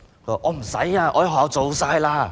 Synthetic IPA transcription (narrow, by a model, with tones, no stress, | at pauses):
ɔ˧˩ʔɔː˨˧m̩˨˩sɐ̰˨˥jaː˧ʔɔː˧jɦɔ˨jɐ˧wt͡so˨˧wsaː˧˥jlaː˥